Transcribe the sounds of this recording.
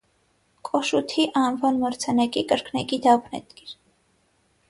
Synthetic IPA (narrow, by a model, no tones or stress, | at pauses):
kʼɔʃut̪ʰiʔɑnvɔlməɾt͡sʰɛnɛkʼikʼəɾkʰnɛkʼid̪ɑpnɛ̰t̪kiɾ